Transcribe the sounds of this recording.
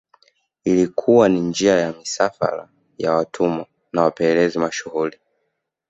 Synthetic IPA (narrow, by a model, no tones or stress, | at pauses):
ilikʰuwanind͡ʒiajamisafa̰ɾa̰ | jawatʰumɔ | nawapɛlɛzimaʃuɣuli